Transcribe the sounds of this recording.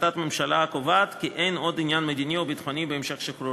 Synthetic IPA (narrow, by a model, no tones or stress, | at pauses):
tat̪memʃalaakovat̪kiʔe̞jno̞dinjanmed̪iniobit̪χonibeemʃe̞χʃekɾo